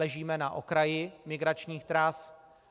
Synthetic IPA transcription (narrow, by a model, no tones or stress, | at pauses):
ɛʒiːmɛnaʔo̰kɾajɪmɪɡɾat͡ʃɲiːxt̪ɾas